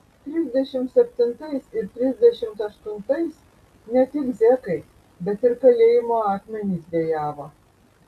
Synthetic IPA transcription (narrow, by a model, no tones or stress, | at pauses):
t̪ʲɾʲɪzʲd̪ʲɛʃʲɪmt̪sʲɛpʲt̪ʲɪnt̪ɐɪsɪɾt̪ʲɾʲɪzʲd̪ʲɛʃʲɪmt̪ɐʃt̪ʊnt̪ɐɪs | nʲɛt̪ʲɪkzʲɛkɐɪ | bʲɛt̪ɪɾkɐlʲeːjɪmoːɑːk̪ʲmʲɛnʲiːsʋʲeːjɑːʋoː